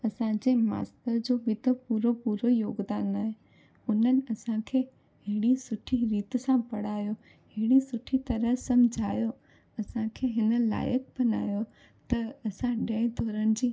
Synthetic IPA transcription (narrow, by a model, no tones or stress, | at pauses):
ɐsãd͡ʑeːma̰ːst̪əɾd͡ʑoːbɪt̪opuːɾopuːɾojoːɡd̪aːnaːɦe | ʊn̤ənɪ̆ɐsãkʰeː | ɦɪɦɽisʊʈʰiɾiːt̪sãpɐɽ̤aːjo | ɦɪɦɪɽisʊʈʰit̪ɐɾəɦsɐmd͡ʑʱaːjo | ɐsãkʰeːɦɪnə̆la̰ːjək̚bɐna̰ːjo | t̪ɐɐsãɗẽːɪ̃d̪ʱɔːɾənɪ̆d͡ʑiː